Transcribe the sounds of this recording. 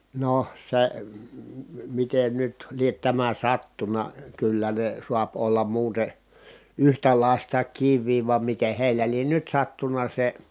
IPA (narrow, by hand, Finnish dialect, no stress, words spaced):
no se miten nyt liet tæmæ sɑtːunɑ kylːæ ne suɑp olːɑm muːte yhtælɑˑi̯stɑ kiʋˑiː ʋɑm miteh heilæ lien nyt sɑtːunɑ se